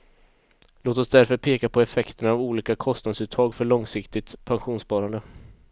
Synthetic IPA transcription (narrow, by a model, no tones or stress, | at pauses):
loːt̪ɔsd̪æɾfœɾpʰeːkapʰɔɛfɛkt̪əɳaavuːliːkakʰɔst̪nad̪sʉːt̪ʰɑːɡfœɭɔŋsɪkt̪ɪt̪pʰanɧuːnspɑːɾand̪ə